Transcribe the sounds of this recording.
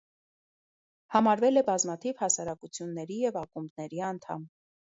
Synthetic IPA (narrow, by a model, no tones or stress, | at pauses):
hɑmɑɾvɛlɛbɑzmɑt̪ʰivhɑsɑɾɑkut͡sʰjunːɛɾijɛvɑkumbnɛɾiɑnt̪ʰɑ̰m